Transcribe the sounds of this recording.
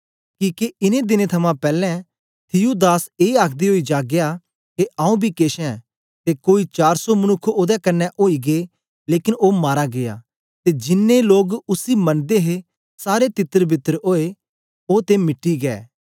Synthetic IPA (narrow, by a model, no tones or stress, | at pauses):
kiːkeɪnẽd̪ɪnet̪ʰɐmãpɛːlɛ̃ | t̪ʰɪjud̪aːseːaːkʰd̪iɦoːid͡ʒaːɡeja | keãːũbʱikeːʃɛ̃ | t̪ekoːit͡ʃaːɾsɔmɐnʊkʰːoːd̪ɛkɐnːɛʔoːiɡe | leːkɪnoːmaːɾaɡea̰ | t̪ed͡ʒɪnːeloːɡʊsimɐnd̪eɦe | saːɾet̪ɪt̪ːəɾbʱɪt̪ːəɾoːe | oːt̪emɪʈːiɡɛ̰ː